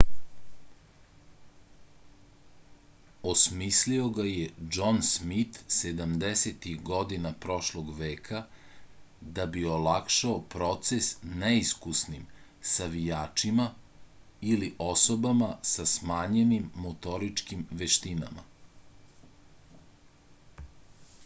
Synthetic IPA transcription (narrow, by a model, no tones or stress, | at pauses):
osmislio̞ɡajed͡ʒonsmit̪sed̪amd̪eset̪ixɡo̞d̪inapɾo̞ʃlˠoɡʋeːkʰa | d̪abio̞lakʃaopɾo̞t̪sesneiskusnimsaʋijaːt͡ʃima | iliʔo̞sobamasasmaːɲenimːot̪o̞ɾit͡ʃkimʋeʃt̪ina̰ma̰